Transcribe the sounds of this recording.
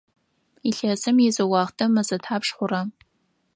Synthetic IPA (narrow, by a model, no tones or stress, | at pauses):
iɬɐzɨmjɛzɨwɑːʁtʰɐmɐzɐtʰħaːpʂχʷʊrɐ